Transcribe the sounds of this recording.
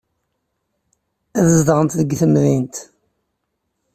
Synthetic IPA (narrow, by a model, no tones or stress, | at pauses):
æðəzd̪əʁənt̪ðəɡθəmðint̪